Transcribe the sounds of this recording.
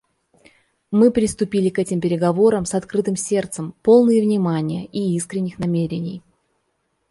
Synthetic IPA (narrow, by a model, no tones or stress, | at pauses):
mɨpɾʲɪst̪ʊpʲilʲɪkɛtʲɪmpʲɪɾʲɪɡɐvo̞ɾəmsɐt̪kɾɨt̪ɨmsʲe̞rt̪səmpo̞lˠnɨjəvnʲɪmanʲɪjə̰ʔiiskɾʲɪnʲːɪxnɐmʲeɾʲɪnʲɪ̰j